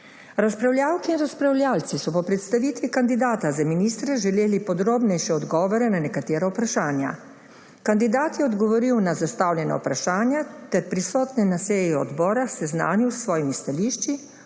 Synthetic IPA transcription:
ɾaspɾawlʲjaːwkiːnɾaspɾawlʲjalt̪sisɔpɔpɾɛt̪st̪aʋit̪ʋikand̪id̪aːt̪azaminist̪ɾɛʒɛleːlipɔd̪ɾoːbnɛjʃɛɔd̪ɡɔːʋɔɾɛnanɛkat̪eːɾaupɾaʃaːnja̰ | kand̪id̪aːt̪jɛɔd̪ɡɔʋɔɾiwnazast̪awljɛna̰wpɾaʃaːnjat̪ɛɾpɾisɔːt̪nɛnaseːjɛɔ̰d̪bɔːɾaxsɛzna̰ːnjuwsʋɔːjimist̪aliʃt͡ʃi

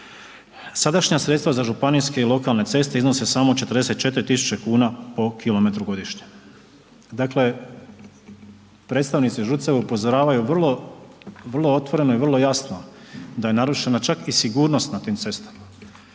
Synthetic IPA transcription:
sad̪aʃɲasɾe̞t̪st̪ʋazaʒupaniske̞ilˠo̞kalˠne̞t̪se̞st̪eizno̞se̞saːmo̞t͡ʃe̞t̪ɾd̪e̞se̞t̪̚t͡ʃe̞t̪ɾit̪isu̥t͡ɕekuːnapo̞kilo̞me̞t̪ɾuɡo̞d̪iʃɲe | d̪akle̞ | pɾe̞t̪st̪aʋnit̪siʒut̪seʋeupo̞zoɾaːʋajuʋr̩lˠo̞ | ʋr̩lˠoo̞t̪ʋo̞ɾe̞no̞iʋr̩lˠo̞jasnod̪aje̞naɾuʃe̞nat͡ʃakisiɡuːɾno̞st̪nat̪iːmt̪se̞st̪ḁma

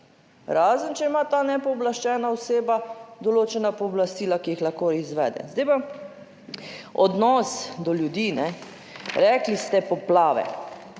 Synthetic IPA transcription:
ɾaːzənt͡ʃɛimaːt̪aːnɛpɔːblaʃt͡ʃɛːnaɔseːbad̪ɔloːt͡ʃɛnapɔːblast̪iːlakijixlaxkoizʋɛ̰ːd̪ɛ̰zd̪ajpa | ɔ̰d̪nɔːsd̪ɔljud̪iːnɛ | ɾɛːklist̪ɛpɔplaːʋɛ̰

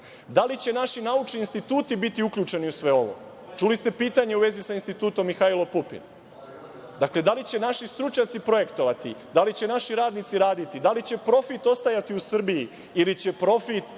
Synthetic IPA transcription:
d̪alit͡ɕe̞naʃinaut͡ʃniːnst̪it̪uːt̪ibit̪iukʎuːt͡ʃe̞niusʋe̞o̞ʋo̰ | t͡ʃulist̪e̞piːt̪aɲe̞uʋe̞zisainst̪it̪uːt̪o̞mːixailo̞pupḭn | d̪akle̞d̪alit͡ɕe̞naʃist̪ɾut͡ʃɲat̪sipɾo̞je̞kt̪o̞ʋat̪id̪alit͡ɕe̞naʃiɾaːd̪nit̪siɾaːd̪it̪id̪alit͡ɕe̞pɾo̞fit̪o̞st̪ajat̪iusr̩biji | ilit͡ɕe̞pɾo̞fit̪

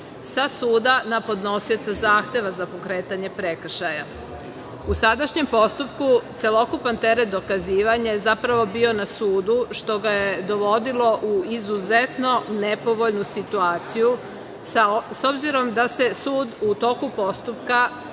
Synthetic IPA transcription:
sasuːd̪anapo̞d̪no̞siot̪sazaːxt̪e̞ʋazapo̞kɾeːt̪aɲe̞pɾe̞kr̩ʃaja | usad̪aʃɲe̞mpo̞st̪upkut̪se̞lo̞kupant̪e̞ɾet̪̚d̪o̞kaziːʋaɲajezapɾaʋo̞bio̞nasuːd̪uʃt̪o̞ɡajed̪o̞ʋo̞d̪ilo̞ʔuizuzet̪no̞nepo̞ʋo̞ʎnusit̪uaːt̪siju | so̞bziɾo̞md̪ase̞suːd̪ut̪o̞kupo̞st̪upka

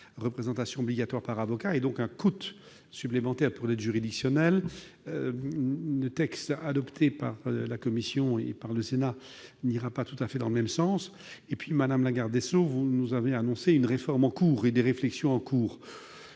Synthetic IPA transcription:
ʁəpχezɑ̃t̪asjɔ̃ɔbliɡat̪waʁpaʁavɔkaed̪ɔ̃kɛ̃kut̪ | syplemɑ̃t̪ɛʁpuʁlɛʒyʁid̪iksjɔnɛl | lət̪ɛkst̪ad̪ɔpt̪ʰepaʁlakɔmisjɔ̃ḛpaʁləsena | niʁapat̪ut̪afɛd̪ɑ̃ləmɛmsɑ̃s | epɥimad̪amlaɡaʁd̪ɛsovunuzaveanɔ̃seynʁefɔʁmɑ̃kuːʁed̪eʁeflɛksjɔ̃ɑ̃kʰuːʁ

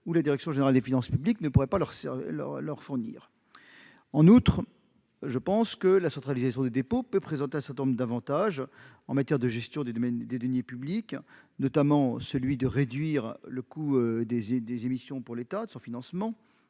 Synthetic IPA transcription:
ulad̪iʁɛksjɔ̃ʒeneʁald̪efinɑ̃spybliknəpuʁɛpalœʁsɛl̰ʁlœʁfuʁnḭːʁ | ɑ̃nut̪χ | ʒəpɑ̃skəlasɑ̃t̪χalizasjɔ̃d̪ed̪epopøpχezɑ̃t̪eɛ̃sɛʁt̪ɛnɔ̃mʁd̪avɑ̃t̪aʒ | ɑ̃mat̪jɛʁd̪əʒɛst̪jɔ̃d̪eɛnd̪ed̪ɔnjepyblik | nɔt̪amɑ̃səlɥid̪əʁed̪ɥiːʁləkud̪ezed̪ezemisjɔ̃puʁlet̪ad̪əsɔ̃finɑ̃smɑ̃

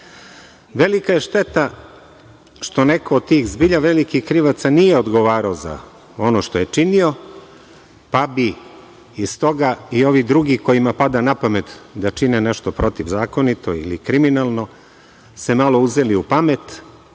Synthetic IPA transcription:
ʋe̞likaje̞ʃt̪e̞t̪a | ʃt̪o̞nekoːd̪̚t̪iːxzbiʎaʋe̞likixkɾiʋat̪sanijeod̪ɡo̞ʋaːɾaoza̰ | o̞noʃt̪o̞je̞t͡ʂinio̞ | pabi | ist̪o̞ɡaio̞ʋid̪ɾuɡiko̞imapad̪anapame̞t̪d̪at͡ʃineneʃt̪o̞pɾo̞t̪iʋzaːko̞nit̪o̞ḭlḭkɾiminalˠno̞ | se̞malˠo̞uzeliupame̞t̪

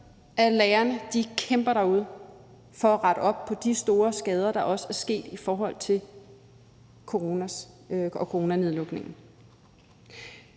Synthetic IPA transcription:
ʔælɛːɐnəd̥ikʰemb̥ɐɾ̥ɑ̈uð̞̰ˠ | fɒ̽æʁɑ̈ɾ̥əɒ̽b̥̚pʰɒ̽d̥isd̥o̝ːɐsɡ̥ɛːð̞ˠɐɾ̥ɑ̈ʔɒ̽səæɐsɡ̥e̝̰ːd̥ifɒːɦɒ̽l̰t͡sʰe̝l | kʰo̝ʁonæ | ɒkʰoʁo̝ːnæneðˠlɔ̽ɡ̥ne̝ŋn̩

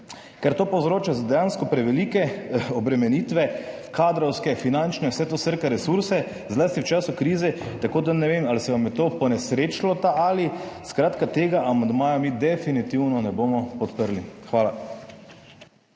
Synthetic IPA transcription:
kɛɾt̪oːpowzɾoːt͡ʃazad̪ɛjanskɔpɾɛʋɛliːkɛɔbɾɛmɛniːt̪ʋɛ | kaːd̪ɾɔwskɛfinant͡ʃnɛwsɛt̪osəɾkɛɾɛsuɾsɛ | zlaːst̪iwt͡ʃaːsukɾiːzɛt̪akoːd̪anɛʋemalisɛʋamjɛt̪oːpɔnɛsɾeːt͡ʃlɔt̪aʔaliskɾaːt̪kat̪eːɡaʔamand̪maːjamiːd̪ɛfinit̪iwnɔnɛboːmɔpɔt̪pəɾlixʋaːla

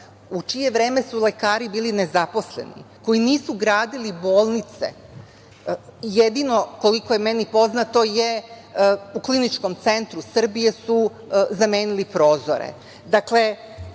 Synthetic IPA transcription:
ut͡ʃije̞ʋɾeːmesulekaːɾibiːline̞zapo̞sle̞̰nḭko̞jiniːsuɡɾaːd̪ilibo̞ːlˠnit̪se̞̰ | jed̪ino̞koliko̞je̞menipo̞znat̪o̞je | uklinit͡ʃko̞mt̪se̞nt̪ɾusr̩bije̞su | zameːnilipɾo̞ːzo̰ɾḛ | d̪akle̞

